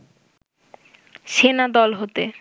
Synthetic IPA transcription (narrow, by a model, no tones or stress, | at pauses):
ʃenad̪ɔlɦot̪e